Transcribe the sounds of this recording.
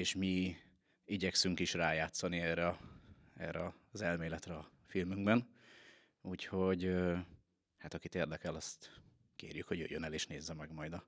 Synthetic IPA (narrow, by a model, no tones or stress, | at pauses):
eːʃmi | iɟɛksyŋkiʃraːjaːt̪sɒniɛːrɛɒɛ̰rɛɒzɛlmeːlɛt̪rɛɒ | filmyŋɡbɛn | uːcho̞ɟø | hat̪ɒkit̪eːrd̪ɛkɛlɒst̪ | kḛːrjykho̞ɟø̰jønɛleːʃneːzːɛmɛɡmɒjd̪ɒ